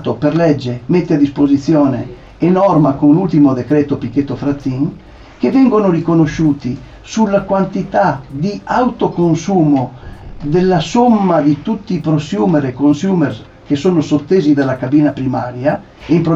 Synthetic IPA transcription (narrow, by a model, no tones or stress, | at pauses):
t̪operlɛd͡ʒːemet̪ːead̪ispozit̪sːjɔːnḛː | nɔrmakoŋlult̪imod̪ekɾɛːt̪opikːet̪ːofɾat̪ːiŋ | kevɛŋɡonorikonoʃuːt̪i | sulːakwant̪it̪ad̪iawt̪okonsuːmod̪elːasomːad̪it̪ut̪ːiːpɾosjuːmeɾekonsjuːmers | kesoːnosot̪ːeːzid̪alakabiːnapɾimaːɾja | eimpɾo